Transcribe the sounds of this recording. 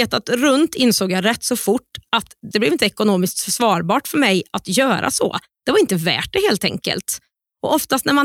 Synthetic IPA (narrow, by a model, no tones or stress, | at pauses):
eːt̪at̪ɾɵnt̪ɪnsoːɡjɑɾɛt̪ːsɔfʊʈːat̪d̪ɛblɛvɪnt̪əɛkʊnoːmɪskt̪fœʂvɑːɾbɑːʈfœɾmɛjʔat̪jœːɾʔa̰sɔ̰ | d̪̥ɛvaɾɪnt̪əvæ̰ːʈ̚dɛheːlt̪ʰɛ̰ŋkə̰lt̪ | ɔʔɔft̪ast̪næɾma